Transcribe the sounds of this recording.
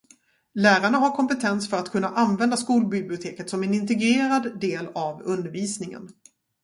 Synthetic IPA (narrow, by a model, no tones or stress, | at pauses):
læːɾaɳaɦaɾkʰɔmpɛt̪ʰɛnsfœɾat̪kʰɵnːaʔanvɛnd̪askuːlbɪblɪʊt̪ʰeːkət̪sɔmɛnɪnt̪̬ɛɡɾeːɾad̪ːeːlavɵnd̪əɾviːsnɪŋə̰n